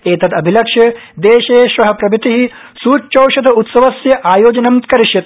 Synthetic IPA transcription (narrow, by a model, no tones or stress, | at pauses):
eːt̪ɐd̪ɐbʱilɐkʂjɐd̪eːʃeːʃʋɐɦɐpɾɐbit̪iɦi | suːt͡ʃɐwʃɐd̪ʰʱɐut̪sɐʋɐsjɐʔaːjoːd͡ʒɐnɐmt̪kɐɾiʃjɐt̪